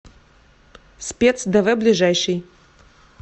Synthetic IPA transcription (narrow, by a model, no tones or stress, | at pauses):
sʲpʲet̪sd̪ɛvɛblʲiʐajʂɨj